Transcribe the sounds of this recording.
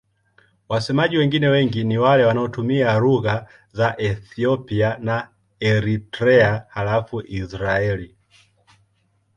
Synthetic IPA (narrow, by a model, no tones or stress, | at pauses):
wasɛmaʄiwɛŋɡinɛwɛŋɡiniwalɛwanaɔtumiaɾuɣa | zaʔɛθiɔpiana | ɛɾitɾɛaalafuʔisɾaɛli